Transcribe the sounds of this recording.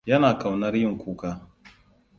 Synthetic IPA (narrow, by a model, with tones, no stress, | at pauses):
ja˦naː˨ka˨wna˦ɾji˦ŋ̩˨ku˦ka˦